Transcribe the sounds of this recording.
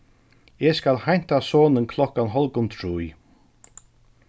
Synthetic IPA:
eːskalhajn̥t̪asɔːnənkʰl̥ɔkanɦɔlɡʊnt̪ʰɾuːj

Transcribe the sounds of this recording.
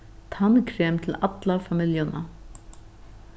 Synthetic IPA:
t̪ʰankʰɾeːmt̪ʰɪlat̪lafamɪljʊna̰

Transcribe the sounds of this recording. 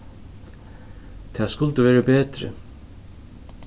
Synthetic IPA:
t̪ʰɛːskʊlt̪əvɛːɾabeːt̪ɾɪ̰

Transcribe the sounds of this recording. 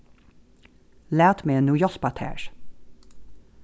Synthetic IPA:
læːt̪menuːjɔspɑt̪ʰæ̰ːʃ

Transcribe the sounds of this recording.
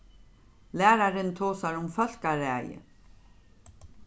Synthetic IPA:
læːɾaɾɪnt̪ʰoːsaɾʊmfœl̥kaɾæːjə̰

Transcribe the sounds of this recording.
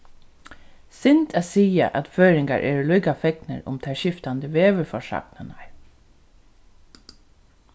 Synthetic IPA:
sɪnt̪ʰæsiːa̰ʔæt̪føːɾɪŋɡa̰ɹʔɛ̰ːɾluːkafɛknə̰ɾʊ̰mt̪ʰæʃɪft̪and̪əʋeːʋəfɔʂa̰knənaɹ

